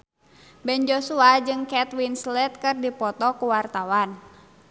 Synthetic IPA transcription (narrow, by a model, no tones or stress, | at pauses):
bɛnd͡ʒɔsuad͡ʒɨŋkɛt̪winslɛt̪̚kɨrdipɔt̪ɔkuwart̪awan